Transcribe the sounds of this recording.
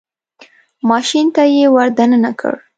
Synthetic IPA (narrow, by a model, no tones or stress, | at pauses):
mɑʃint̪ajewaɾd̪anənakʰə̰ɽ